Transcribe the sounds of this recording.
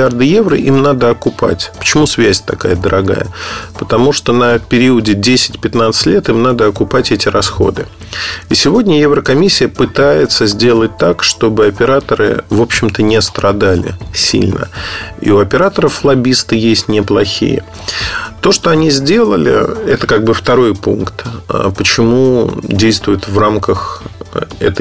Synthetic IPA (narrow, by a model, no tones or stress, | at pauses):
ard̪ɨje̞vrəʔimnad̪əɐkʊpa̰tʲpə̥t͡ɕɪmusvʲæsʲt̪ɐka̰jəd̪əɾʔɐɡa̰jə̰pət̪ɐmuʂt̪o̞nəpʲɪɾʲiʊdʲɪdʲesʲɪ̥tʲpʲɪt̪nat̪sɨ̥tʲlʲet̪ɨmnad̪əɐkʊpatʲɛtʲɪrɐsxo̞̰d̪ɨ | isʲɪvo̞dʲnʲəjevɾəkɐmʲisʲːɪjəpɨt̪ajɪt̪səzʲdʲe̞lˠət̚ʲt̪akʂt̪o̞bɨɐpʲɪɾat̪əɾɨ̰vo̞pɕːɪmt̪ənʲɪst̪ɾɐd̪alʲɪ̰sʲḭlʲnʔə̰ḭʊɐpʲɪɾat̪əɾəflˠɐbʲist̪ɨjesʲtʲnʲɪplˠɐxʲḭjə̰ | t̪o̞ʂt̪o̞ɐnʲizʲdʲe̞lˠə̰lʲɪ̰ɛt̪əkaɡ̚bɨft̪ɐɾo̞jpunkt̪ə̰pət͡ɕɪmudʲejst̪vʊjɪt̪vramkəx | ɛ̰t̪ə